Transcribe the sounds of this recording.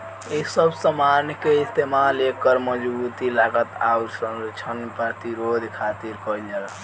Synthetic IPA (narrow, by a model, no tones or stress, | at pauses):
isəbsəmaɾnjkeist̪emalekəɾməd͡ʒbut̪ilaɡət̪a̰ut͡ʃʰənt͡ʃʰənpəɾt̪iɾod̪ʱkʰat̪iɾkələɾ